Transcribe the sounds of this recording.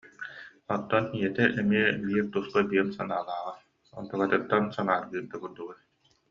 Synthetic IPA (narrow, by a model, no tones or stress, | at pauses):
ɔt̪ːɔnijɛt̪ɛʔɛmiɛbiːɾt̪uskabiɛmsanaːlˠaːʁa | ɔ̰nt̪ɔkat̪ɯk̚t̪ːansanaːɾɡɯːɾ̚d̪akuɾd̪uɡɛ